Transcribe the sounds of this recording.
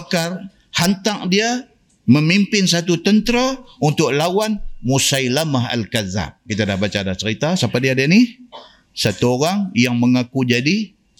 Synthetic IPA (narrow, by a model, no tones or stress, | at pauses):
kar | hant̪aŋ̚dia | məmimpɪns̬at̪ut̪ənt̪ɾaunt̪ʊk̚lawanmusajlamaɦa̰lkaza̰p̚kit̪adahbat͡ʃaːdat͡ʃəɾit̪asapadiadaani | sat̪uoɾaŋjaŋməŋakud͡ʒadi